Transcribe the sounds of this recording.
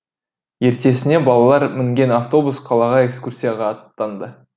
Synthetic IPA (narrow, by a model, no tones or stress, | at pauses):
je̞ɾt̪e̞sɪne̞bɑlˠɑlˠɑɾmɪŋɡʲe̞naft̪o̞busqʰɑlˠɑʁɑe̞kskursʲijaʁɑːt̪ːɑnd̪ə